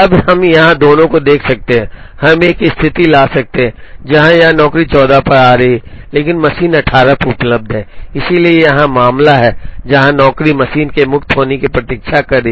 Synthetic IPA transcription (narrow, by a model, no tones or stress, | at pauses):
ɐbhɐmjɐɦãd̪oːnõkod̪eːkʰsɐk̚t̪eɦɛ̃ː | hɐmeːkɪst̪ʰɪt̪ilaːsɐk̚t̪eɦɛ̃ːd͡ʒɐɦãjɐɦãnɔːkɾit͡ʃɔːd̪apɐɾaːɾɐɦileːkɪnmɐsiːnɐʈʰaːɾapʊpləb̚d̪ʱɦɛ̃ːɪsiliejɐɦãmaːmlaɦɛːd͡ʒɐɦãnɔːkɾimɐsiːnkemʊkt̪ɦoːnekipɾɐt̪iːkʃakɐɾːi